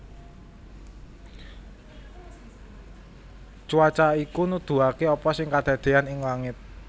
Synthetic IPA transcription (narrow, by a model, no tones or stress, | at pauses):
t͡ʃuat͡ʃaikunud̪̥ṳakeɔpɔsɪŋkad̪̥ä̤d̪̥e̤anɪŋlaŋɪt̪̚